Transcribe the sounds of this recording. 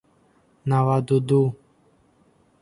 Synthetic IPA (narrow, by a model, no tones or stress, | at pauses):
nawad̪ud̪u